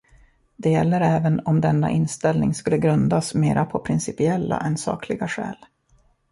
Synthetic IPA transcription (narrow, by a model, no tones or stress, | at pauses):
d̪ɛjɛlːəɾɛːvənɔmd̪ɛnːa̰ʔɪnst̪ɛlnɪŋskɵlːəɡɾɵnd̪asmeːɾʔapʰɔpʰɾɪnsɪpɪɛlːa̰ʔɛnsɑ̰ːklɪɡaɧɛ̰ːl